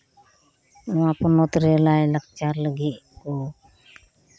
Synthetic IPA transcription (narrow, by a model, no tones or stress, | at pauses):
ʊ̃wãpɔnɔt̪ɾɛlajlək̚t͡ʃaɾləɡit̪̚kɔ